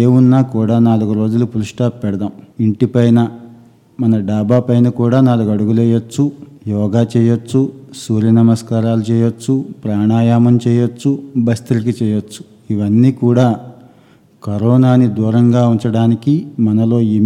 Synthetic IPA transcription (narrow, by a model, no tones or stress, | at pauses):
eːunːaːkuːɽaːnaːluɡuɾo̞ːd͡ʒulupuluʂʈaːppɛɽɐd̪aːmiɳʈipɐjnɐ | mɐnɐɖaːbaːpɐjnɐkuːɽaːnaːluɡɐɽuɡulɛːjot͡ʃːujɔːɡaːt͡ʃɛːjot͡ʃːusuːɾjɐnɐmɐskaːɾaːlut͡ʃɛːjot͡ʃːupɾaːɳaːjaːmɐmt͡ʃɛːjot͡ʃːubɐst̪iɾik̬it͡ʃɛːjot͡ʃːu̥ | iʋɐnːiːkuːɽaː | kɐɾɔːnaːnid̪uːɾɐŋɡaːuɲt͡ʃɐɽaːnikimɐnɐlo̞ːi